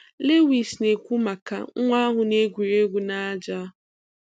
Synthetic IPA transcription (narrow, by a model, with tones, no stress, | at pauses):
le˦wi˨sne˨kʷu˦ma˨ka̰˨ŋ̩˦ŋʷa˦ɦʊ˨ne˦ɡʷu˨ɾe˦ɡʷu˨na˦d͡ʒa˦